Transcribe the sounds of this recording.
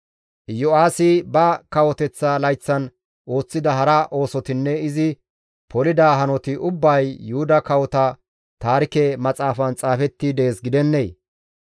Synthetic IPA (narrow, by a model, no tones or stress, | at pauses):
jɔaːsɪbɐkɐwɔt̪ɛt͡sːalɐjt͡sːɐn | ʔo̞ːt͡sːɪd̪ɐɦɐɾɐʔo̞ːsɔt̪ɪnːɛɪzɪ | pʰɔlɪd̪aːɦɐnɔt̪ɪʔʊbːɐjːʊhʊd̪ɐkɐwɔt̪ɐ | t̪aːɾɪkɛmɐt͡sʼaːfɐnt͡sʼaːfɛt̪ːid̪eeːsɡɪd̪ɛnːej